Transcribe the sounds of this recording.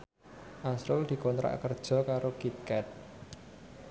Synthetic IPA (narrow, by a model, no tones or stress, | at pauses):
ʔasɾʊld̪̥i̤kɔnt̪ɾa̰ʔkərd̥ʒ̥ɔ̤kaɾokit̪̚kɛt̪̚